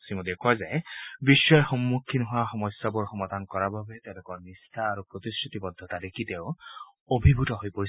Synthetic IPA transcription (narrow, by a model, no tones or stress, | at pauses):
simud̪ekʰazɛjbiʃːɔɛxɔmːukʰːinɔɦowaxɔmɔsːabuɹxɔmad̪ʱankɔɹababɛt̪elʊkɔɹnist̪ʰaːɹupɹot̪iskɹit̪ibɔd̪ʱːɔt̪ad̪ekʰit̪eʊ | obʱibʱutɔɦojpoɹi